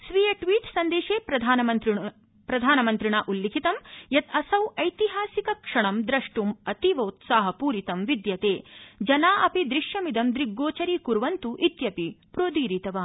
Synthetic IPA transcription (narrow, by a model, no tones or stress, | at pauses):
sʋijɐʈʋiːʈsɐnd̪eːʃeːpɾɐd̪ʱaːnɐmɐnt̪ | pɾɐd̪ʱaːnɐmɐnt̪ɾiɳaːʔulːikʰit̪ɐmjɐt̪ʰɐsɐwɐjt̪iɦaːsikɐkʂɐɳɐmd̪ɾɐʂʈumɐt̪iʋɐut̪saːɦɐpuːɾit̪ɐmʋid̪jɐt̪eːd͡ʒɐnaːʔɐpid̪ɾiʃjɐmid̪ɐmd̪ɾiɡːoːt͡ʃɐɾiːkuɾʋɐnt̪uʔit̪jɐpipɾoːd̪iːɾit̪ɐʋaː